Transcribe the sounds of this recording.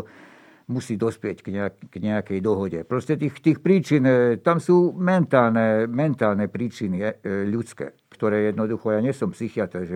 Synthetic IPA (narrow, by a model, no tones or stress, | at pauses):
musiːd̪ɔspɪɛcɡ̥ɲɛakɡ̥ɲɛakɛjd̪ɔɦɔɟɛpɾɔscɛt̪iːxt̪iːxpɾiːt͡ʃint̪amsuːmɛnt̪aːlnɛmɛnt̪aːlnɛpɾiːt͡ʃiniʎut̪t͡skɛ̰ː | kt̪ɔɾɛːjɛd̪nɔd̪uxɔjaːɲɪɛsɔmpsixiat̪ɛɾʒɛ